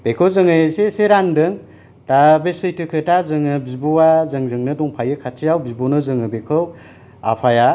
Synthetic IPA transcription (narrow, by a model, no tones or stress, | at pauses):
b̥ekʰɯwzɯŋɯjseseɾandɯŋ | tabesɯjtɯkʰɯtazɯŋɯbizbɔwazɯŋzɯŋnɯdɔŋpʰajɯkʰatʰijawbizbonɯzɯŋɯbekʰɯw | a̰pʰaja